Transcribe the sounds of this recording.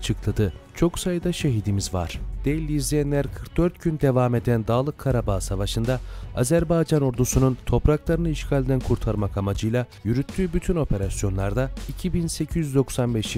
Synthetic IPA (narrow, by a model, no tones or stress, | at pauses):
at͡ʃʰɯklˠad̪ɯt͡ʃʰo̞ksajɯd̪aʃe̞ɦid̪imizva̰ɾ̥d̪̥elʲːiːzlʲejænlʲæɾkʰɯɾk̚d̪øɾt̪ɟynd̪e̞vaːme̞d̪ænd̪aːlˠɯkʰːaɾabaːsavaʃɯnd̪aazæɾbajd͡ʒanoɾd̪usununt̪ʰo̞pɾaklˠaɾɯnɯiʃkʰaːlʲd̪ænkʰuɾt̪ʰaɾmakamad͡ʒɯjlˠajyɾyt̪ʰːyːbyt̪ʰyno̞pʰe̞ɾasjo̞nlˠaɾd̪aicʰibinse̞cʰizjyd̪o̞ksanbɛʃ